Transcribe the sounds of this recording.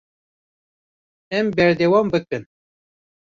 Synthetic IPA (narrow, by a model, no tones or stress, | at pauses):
ɛmbɛɾd̪ɛwɑmbɨkɨn